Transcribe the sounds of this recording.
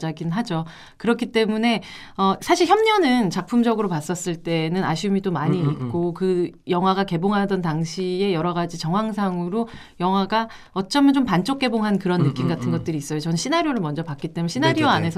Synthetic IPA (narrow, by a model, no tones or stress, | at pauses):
d͡ʑaɡinɦad͡ʑo | kɯɾʌkʰit͈e̞mune̞ | ʌsʰaɕʰiɭçjʌmɲʌnɯnt͡ɕak̚pʰumd͡ʑʌɡɯɾopas͈ʌs͈ɯɭt͈e̞nɯnaɕʰiumidomaɲiːt̚kk͈okɯjʌŋɦwaɡake̞boŋɦadʌntaŋɕʰie̞jʌɾʌɣad͡ʑit͡ɕʌŋɦwaŋs̬ʰaŋɯɾo | jʌŋɦwaɡa | ʌt͡ɕ͈ʌmjʌnt͡ɕompant͡ɕ͈ok̚k͈e̞boŋɦankɯɾʌnːɯk͈imɡatʰɯnɡʌt̚t͈ɯɾiːs͈ʌjot͡ɕʌnɕʰinaɾjoɾɯɭmʌnd͡ʑʌpak͈it͈e̞munɕʰinaɾjoanɦe̞sʰʌ